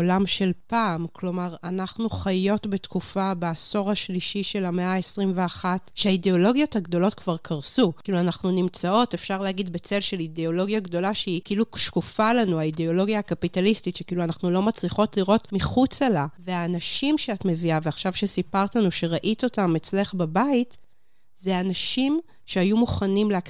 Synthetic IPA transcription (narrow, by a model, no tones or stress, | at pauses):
olamʃe̞lpaːmkʰlo̞maʁanaχnuχajo̞tbetkufabeːso̞ʁaʃliʃiʃe̞lameaesʁimveaχatʃeaideo̞lo̞ɡjothaɡdo̞lo̞tkvaʁkʰaʁsukiːluanaχnunimt͡sao̞te̞fʃaʁleaɡid̪bet͡se̞lʃe̞lideo̞lo̞ɡjaɡdo̞laʃeikiiluʃkufalanuaideo̞lo̞ɡjaːkapitalistitʃekiːluanaχnulo̞mat͡sliχo̞tliʁo̞tmiχut͡selaveaːnaʃimʃeatme̞viaveaχʃavʃesipaʁt̪lanuʃeʁaʔit̪o̞tamet͡sleχbabait | zeanaʃim | ʃeajumuχanimleak